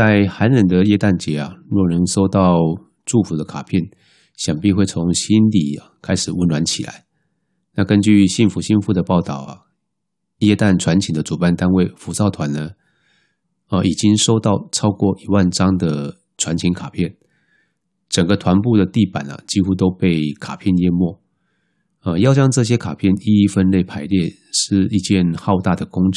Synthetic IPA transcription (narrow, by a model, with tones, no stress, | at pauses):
t͡sa˥˩ɪxa˧˦nɻə˧˨nd̪ə˨jɛ˥˧t̪a˥˩nt͡ɕjɛ˨˧˥ɐ̰˨ɻu˥˨nə˧˦ŋʂo˥ʊt̪ɑ˥˨˧ʊ | ʈ͡ʂu˥˩fu˨˥d̪ə˧kʰa˨˩pʰjɛ˥˨n | ɕjɑ˨˩ŋpi˥˧xwe˥˩ɪt͡sʰo˧˦ŋɕi˦˥nlḭ˨˩kʰa˥ɪʂɻ̩˨˩wə˧˥nlwa˧˦nt͡ɕʰi˨˩la̰˨˦ɪ | na˥˨kə˦nt͡ɕy˥˨ɕi˥˩nfu˧˥ɕi˥˧nfu˥˩d̪ə˨pɑ˥˩ʊt̪ɑ˥˨˩ʊa̰˩ | jɛ˥˧t̪a˥˩nʈ͡ʂʰwa˧˦nt͡ɕʰi˨ŋd̪ə˦t͡su˨˩pa˥˩nt̪a˥nwe˥˩ɪfu˧˥sɑ˥˩ʊt̪ʰwa˨˧˦nːə˨ | ə˧˩ʔi˨˩t͡ɕi˦˥ŋʂo˥ʊt̪ɑ˥˩ʊʈ͡ʂʰɑ˥ʊkwɔ˥˩ʔi˨˩wa˥˧nʈ͡ʂɑ˥ŋd̪ə˨˩ | ʈ͡ʂʰwa˧˦nt͡ɕʰi˧˥ŋkʰa˨˩pʰjɛ˥˩n | ʈ͡ʂə˨˩ŋɡə˩˦t̪ʰwa˧˦npu˥˩d̪ə˩t̪i˥˩pa̰˨˩nɐ̰˩t͡ɕi˥xu˥t̪̬o˥ʊpe˥˩ɪkʰa˨˩pʰjɛ˥˨njɛ˥˧mwɔ˥˩ | ə˧jɑ˥˧ʊt͡ɕjɑ˥ŋʈ͡ʂɤ˥˧˩ɕ̬jɛ˥kʰa˨˩pʰjɛ˥˩˨ni˥i˥fə˦nle˥˩ɪpʰa˧˥ɪljɛ˥˧ | ʂɻ̩˥˧i˧t͡ɕjɛ˥˧nxɑ˥˧ʊt̪a˥˩d̪ə˩kʊ˥ŋ˨